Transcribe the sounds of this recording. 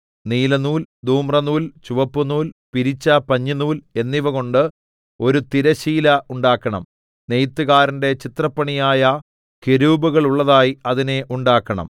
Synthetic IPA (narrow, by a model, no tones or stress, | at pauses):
niːlɐnuːld̪uːmrɐnuːlt͡ɕuʋɐpːunuːlpiɾit͡ɕːɐpɐɲːɐnuːle̞nːiʋɐɣo̞ɳɖɨ | o̞ɾut̪iɾɐɕiːlɐʔuɳɖaːkːɐɳɐ̰m | ne̞jt̪ːuɣaːɾɐnde̞t͡ɕit̪rɐpːɐɳijaːjɐ | keɾuːbuɣɐɭuɭːɐðaːjiɐðine̞ʔuɳɖaːkːɐɳɐ̰m